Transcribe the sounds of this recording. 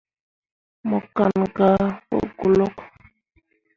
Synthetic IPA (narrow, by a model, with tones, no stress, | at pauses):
mɔ˨ka˨nɡa˨wo̰˦ɡu˨lɔ˦k